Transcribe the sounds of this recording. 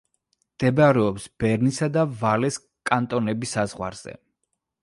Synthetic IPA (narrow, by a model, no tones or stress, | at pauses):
md̪̥ɛbaɾɛɔpsb̥ɛɾnisad̪avalɛs | kʼant̪ʼɔnɛbisazʁwa̰ɾz̥ɛ̰